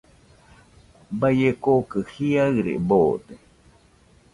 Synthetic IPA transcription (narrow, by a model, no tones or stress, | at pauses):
bajekokɨhiaɨɾḛboːd̪e